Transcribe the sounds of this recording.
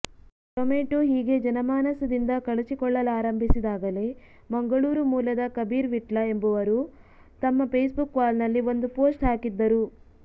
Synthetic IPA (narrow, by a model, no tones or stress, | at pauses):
ʈomeːʈuɦiːɡe̞d͡ʒɐnɐmaːnɐsɐd̪ind̪ɐkɐɭut͡ʃikɔɭːɐlaːɾɐmbʱisid̪aːɡɐle̞ː | mɐŋɡɐɭuːɾumuːlɐd̪ɐkɐbiːɾʋiʈlɐe̞mbuʋɐɾu | t̪ɐmːɐpeːsbukːʋaːlnɐlːio̞nd̪upo̞ːsʈɦaːkid̪ːɐɾu